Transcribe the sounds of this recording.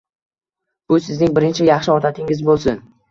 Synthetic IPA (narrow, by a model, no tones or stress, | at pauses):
b̥ʊsɪznɪŋbɪɾɪnt͡ʃʰɪjɑχʃɪɒɾt̪ʰat̪ʰɪŋɪzbolˠsʊn